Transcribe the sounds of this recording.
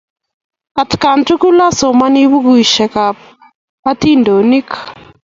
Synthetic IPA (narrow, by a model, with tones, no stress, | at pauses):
a˨tka˨ntu˦ku˦la˦sɔ˨ma˦ni˦βu˦ɣu˨i˨ʃɛ˨ka | a˦ti˦ndo˨ni˦k